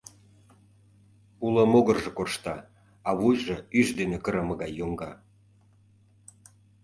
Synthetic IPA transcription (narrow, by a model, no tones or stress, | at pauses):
uləmoɣərʒĕkoʃt̪ɑ | ɑβujʒeyʃd̪enekə̆ɾəməɣɑjːoŋɡɑ